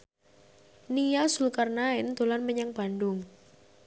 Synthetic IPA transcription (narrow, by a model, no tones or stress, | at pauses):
nijasulkarnaɪnd̪̥o̤lanməɲaŋb̥a̤ndʊŋ